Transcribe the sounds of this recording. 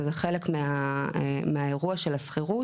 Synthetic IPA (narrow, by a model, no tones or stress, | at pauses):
zeχelekmea | meae̞ʁuaʃelasχiʁu